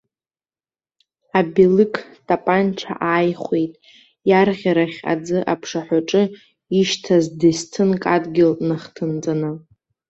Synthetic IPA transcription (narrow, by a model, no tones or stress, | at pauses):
abilɨkʰʼtʼapʼanʈ͡ʂʰa̰ʔaːjχʷejtʼ | jarʁʲaɾaχʲa̰d͡zɨʔapʰʂaħʷᶣaʈ͡ʂʼɨ | iʃtʰazdestʰɨnkʼadɡʲɪlnɨχtʰɨnt͡sʼanɨ